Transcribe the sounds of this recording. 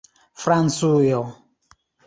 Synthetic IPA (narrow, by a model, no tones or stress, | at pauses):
fɾansujɔ